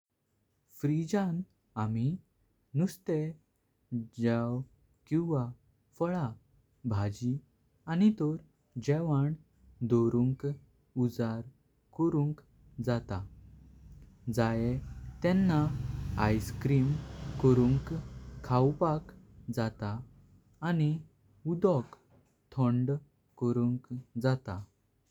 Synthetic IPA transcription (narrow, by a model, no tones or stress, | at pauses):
fɾid͡ʑãn | ami | nust̪e | d͡ʑaw | kĩw̃ʋa | fəɭa | bʱad͡ʑi | anit̪ɔɾ | d͡ʑɛʋaɳ | d̪oɾuŋk | ud͡zaɾ | kəɾũŋk | d͡zat̪a | d͡zajɛt̪ɛnːaa̰jskɾimkəɾũŋkkʰːawpak | d͡zat̪aː | ni | ud̪ɔk | t̪ʰɔ̃ɳɖ | kəɾuŋkd͡zat̪a